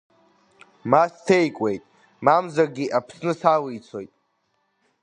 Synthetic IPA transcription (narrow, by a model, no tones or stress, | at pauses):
mastʰejkʷʼe̞jtʼ | mamzarɡʲiʔapʰsnɨsawiit͡sʰo̞jtʼ